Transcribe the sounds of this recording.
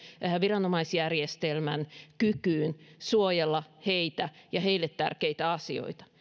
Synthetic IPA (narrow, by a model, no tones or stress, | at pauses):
ʋirɑnomɑisjærjest̪elmænkykyːnsuojelːɑheit̪æjɑheilːet̪tæ̰rkeit̪æɑsio̰it̪ɑ̥